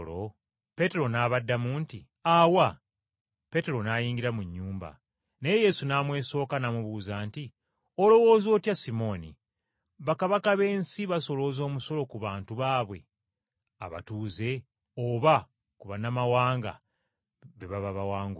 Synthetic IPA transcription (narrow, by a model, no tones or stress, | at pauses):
lo | pe̞te̞ɾo̞naβadːamuːnti | aːwa | pe̞te̞ɾo̞najiːŋɡiɾamuɲːuːmba̰ | nejeje̞sunaːmwe̞ːso̞ːkanamuβuːzaːnti | olo̞wo̞ːzo̞ːtjasimo̞nḭ | βakaβakaβe̞ːnsiβaso̞lo̞zo̞ːmuso̞lo̞kuβaːntuβaːβwe̞̰ | a̰βa̰tuːze̞ | oβa | kuβanamawaːŋɡa̰ | βeβaβaβawaːŋɡu